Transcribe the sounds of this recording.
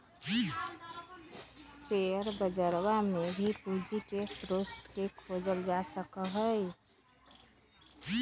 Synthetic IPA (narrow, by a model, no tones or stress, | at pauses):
seəɾbəd͡ʒəɾwamebʱipud͡ʒikesɾost̪kekʰoːd͡ʒəld͡ʒasəkəɦəj